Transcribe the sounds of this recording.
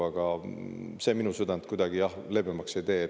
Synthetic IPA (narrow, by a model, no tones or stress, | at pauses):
ɑɡ̥ɑ | se̞ːminusød̪ɑnt̪̚kujd̪ɑɡ̥ijɑhle̞bemɑkse̞jt̪e̞ː